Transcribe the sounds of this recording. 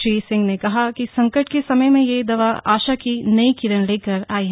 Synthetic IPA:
ɾiːsɪ̃ŋɡnekɐɦakisɐ̃ŋkəʈkesɐməjmẽjed̪ɐʋaaːʃakinɐikɪɾənleːkəɾaːiɦ

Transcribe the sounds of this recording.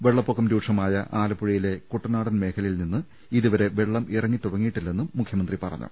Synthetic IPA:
ʋeɭːɐpːokːɐmɾuːʈʂɐmaːjɐʔaːlɐpːuɻijile̞kuʈːɐnaːɽɐnme̞ːkʰɐlɐjilninːɨ | iðuʋɐɾe̞ʋeɭːɐmʔirɐŋːit̪uɽɐŋːijiʈːilːɐenːumːukʰjɐmɐnd̪ripɐrɐ̰ɲːṵ

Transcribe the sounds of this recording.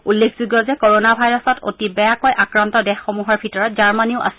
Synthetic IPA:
ulːekʰzuɡjɔzɛkoɹonabʱajɹɔsɔtʰo̰tibɛjakojʔakɹantɔdɛxːomuɦɔɹbʱitɔɹɔt̚zaɹmaniʊʔa̰s

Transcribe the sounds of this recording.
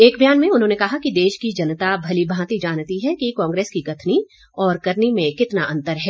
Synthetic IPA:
eːkbʱjaːnmẽʊnɦõːnekɐɦakid̪eːʃkid͡ʒɐnt̪abʱɐlibʱãːt̪id͡ʒaːnt̪iɦɛkikãːŋɡɾeːskikɐt̪ʰni | ɔːɾkɐɾnimẽkɪt̪naʔɐ̃nt̪əɾɦɛː

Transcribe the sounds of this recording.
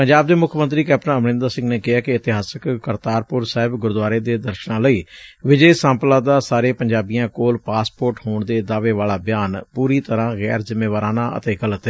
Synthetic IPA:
pəɲd͡ʒaːb̚d̪eːmʊkʰmə̃nt̪ɾiːkɛːpnãːəmnɪ̃nd̪asɪ̃ŋɡneːkɪaːkɪət̪ɪɦaːsəkːəɾt̪aːɾpʊɾsaːɦɪbɡʊɾd̪ʊaːɾeːd̪eːd̪əɾʃnãːləiːʋɪd͡ʒəːsãːmplãːd̪aːsaːɾeːpəɲd͡ʒaːbijãːkoːlpaːspoːɾʈhoːɳd̪eːd̪aːʋeːʋaːlaːbɪjaːnpuːɾiːt̪əɾãːɣɛ̰ːɾzɪmːeːʋaːɾaːnãːʔə̰t̪eːɡələt̪ɛː

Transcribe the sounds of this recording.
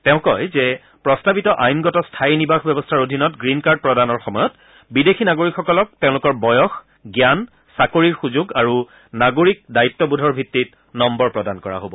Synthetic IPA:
tɛʊ̃kɔjzɛ | pɹɔstabitɔʔajmɡɔtɔstʰajnibaxʰbjɛbɔstʰaɹodʱinɔtɡɹinkaɹd̚pɹɔdanɔɹxɔmɔjɔt | bidexʰinaɡoɹikxɔkɔlɔk̚teʊ̃lʊkɔɹbɔjɔx | ɡjan | sakoɹiɹxuzuɡaɹu | naɡoɹik̚dajitːɔbudʱɔɹbʱitːit̚ | nɔmbɔɹpɹɔdankɔɹa̰ɦobɔ

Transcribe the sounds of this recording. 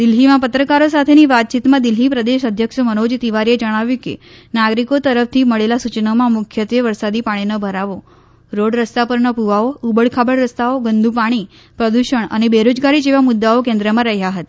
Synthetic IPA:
d̪ɪlɦimãpət̪ɾəkaɾosat̪ʰeniʋat̪̚t͡ʃit̪mãd̪ɪlɦipɾəd̪eʃəd̪ʱjəkʃəmənod͡ʒt̪iʋaɾied͡ʒəɽ̃aʋjũkḛnaɡɾikot̪əɾəft̪ʰiməɭelasut͡ʃnamãmʊkʰjət̪ʋjəʋəɾsad̪ipaɽ̃inəbʱəɾaʋo | ɾoɽɾəst̪apəɾnəpuʋaoubəɭkʰabəɽɾəst̪aoɡənd̪ʱũp̬aɽ̃i | pɾəd̪uʃəɳə̰nebeɾod͡ʒɡaɾid͡ʒeʋamʊd̪ːaokẽnd̪ɾəmãɾəɦjaɦət̪a

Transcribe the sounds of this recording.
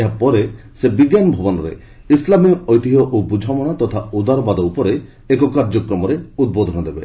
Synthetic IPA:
eɦapɔɾe | sebiɡjanɔbʱɔbɔnɔɾḛ | islamiɔjt̪iɦɔʔobud͡ʒʱamɔɽ̃at̪ɔt̪ʰaud̪aɾɔbad̪ɔupɔɾeː | kɔkaɾd͡ʒɔkɾɔmɔɾeud̪̚bɔd̪ʱɔñɔd̪ebe

